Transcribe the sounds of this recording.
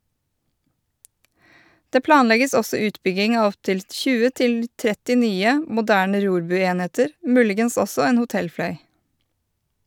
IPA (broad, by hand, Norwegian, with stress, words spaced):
ˈdeː ˈplɑːnˌlɛɡəs ˈɔsɔ ˈʉːtbʏɡɪŋ ˈɑː ˈɔptɪl ˈtçʉːə ˈtɪl ˈtɾɛtɪ ˈnyːə mʊˈdæːɳə ˈɾuːɾˌbʉːˌeːneːtəɾ ˈmʉːlɪɡəns ˈɔsɔ ˈeːn hʊˈtɛlˌflœʏ